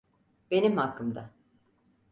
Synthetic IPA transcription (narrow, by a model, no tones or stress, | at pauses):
b̥e̞nimhakʰːɯmd̪a